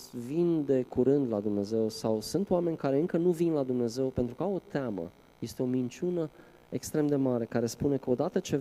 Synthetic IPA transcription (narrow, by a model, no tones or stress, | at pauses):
vind̪e̞kuɾɨnd̪lad̪umne̞ze̞wsawsunt̪oame̞nʲkaɾe̞ɨŋkənuvinlad̪umne̞ze̞wpe̞nt̪ɾukəawo̞t̪amə̰ | je̞st̪e̞o̞mint͡ʃʲunə | e̞kst̪ɾe̞md̪e̞maɾe̞kaɾe̞spune̞kəo̞d̪at̪ət͡ʃe̞